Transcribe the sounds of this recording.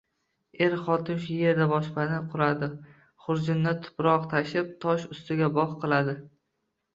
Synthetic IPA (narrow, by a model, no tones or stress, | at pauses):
e̞ɾχɒt̪ʰɪnʃjeɾd̪abɒʃpanɪqʰʊɾad̪ɪ | χʊɾd͡ʒɪnːɪt̪ʰʊ̥pɾɒqt̪ʰaʃɪp̚t̪ʰɒʃʊst̪ɪɡʲabɒχqɨlˠad̪ɪ